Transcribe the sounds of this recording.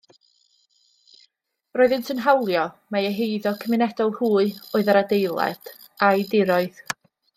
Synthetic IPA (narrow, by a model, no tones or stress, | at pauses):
roːɨðəntʰənɦawlˠjɔmaəɦejðɔkʰəmɪnɛd̥ɔlˠhuːɨoːɨðaɾadejlˠa̰d̥ | ajdɪɾɔɨð̥